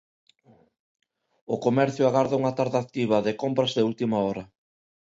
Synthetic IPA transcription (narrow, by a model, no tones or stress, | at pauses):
ʊkomɛɾθjʊaɣaɾðauŋɐt̪aɾðak̚t̪iβ̞ɐðɪkompɾɐzðɪult̪imɐɔɾɐ